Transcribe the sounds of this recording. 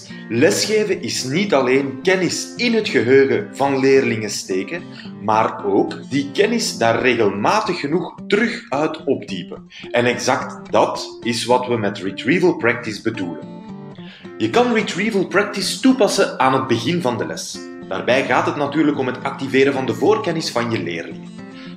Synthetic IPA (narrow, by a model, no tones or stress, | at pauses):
lɛsxeːvəʔɪsnitɑleːnkɛnɪsɪnɦətxəɦøːɣəvɑnleːrlɪŋəsteːkən | maːroːkdikɛnɪsdaːrːeːɣəlˠmaːtəxːənuxtərɵxœɥtɔbdḭpə | ɛnɛɡzɑktdɑtɪsʋɑtʋəmɛtritriːvəlˠprɛk̚tɪzbəduːlən | jəkɑnritriːvəlˠprɛk̚tɪstupɑsəaːnɦəd̚bəɣɪnvɑndəlɛ̰s | d̥a̰ːrbɛjɣaːtɦətnatyːɾləkɔmɦətɑk̚tiveːɾəvɑndəvoːrkɛnɪsfɑnjəlḛːrlɪŋən